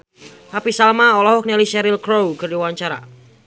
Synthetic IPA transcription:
hapisalmaɔlɔɦɔk̚nɛlisɛɾilkɾowkərdiwaɲt͡ʃaɾa̰

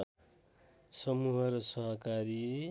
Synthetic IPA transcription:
sʌmuɦʌɾʌsʌɦʌkaɾi

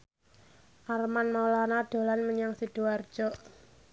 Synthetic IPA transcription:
ʔarmanmalanad̪̥o̤lanməɲaŋsid̥uard̥ʒ̥ɔʔ

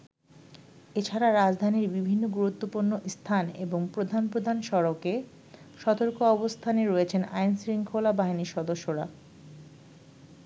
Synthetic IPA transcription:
et͡ɕʰaɾaɾad͡ʑd̪ʱaniɾbibʱinːoɡuɾut̪ːopuɾnoʔst̪ʰanḛboŋpɾod̪ʱanpɾod̪ʱanʃɔɾoke | ʃɔt̪oɾkoɔbost̪ʰaneɾɔet͡ɕʰena̰jnsɾiŋkʰolabaɦiniʃɔd̪oʃːoɾa̰

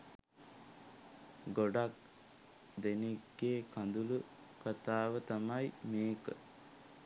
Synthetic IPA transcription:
ɡoɖak̚ | d̪eniɡːeːkand̪ulu | kat̪aːʋət̪amajmeːkə̰

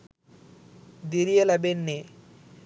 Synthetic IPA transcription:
d̪iɾielabenːe

